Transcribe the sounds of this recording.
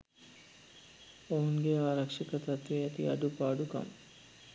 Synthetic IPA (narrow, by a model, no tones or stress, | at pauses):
oɦuŋɡeaːɾɐkʂɐkət̪at̪ʋeat̪ḭa̰ɖupaːɖuka̰m